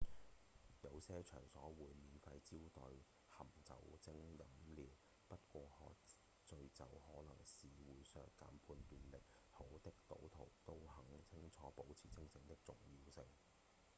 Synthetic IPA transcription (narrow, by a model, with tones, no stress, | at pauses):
jɐ˨˧wsɛː˥t͡ʃʰœ̰ː˨˩ŋsɔː˨˥wuː˨˧jmiː˨˧nfɐ˧jt͡siː˥wt̪ɵ˨˧ɥ | hɐ˨˩mt͡sɐ̰˨wt͡sɪ˥ŋjɐ˨˥mliː˨w | pɐ˥t̚kʷɔː˧hɔ̰ː˨˧k | t͡sɵ˧ɥt͡sɐ̰˨whɔː˨˥lɐ˨˩ŋsiː˨wuː˨˥jsœː˧kaː˨˥mpʰuː˧nt̪yː˧nlɪ˨k̚ | ho˨˥wt̪ɪ˥k̚t̪o̰˨˥wt̪ʰo˨˩wt̪o˥whɐ˨˥ŋt͡sʰɪ˥ŋt͡sʰɔː˨˥po˨˥wt͡sʰiː˨˩t͡sʰɪ˥ŋt͡sʰɪ˧ŋt̪ɪ˥k̚t͡sʊ̰˨ŋjiː˧wsɪ˨˧ŋ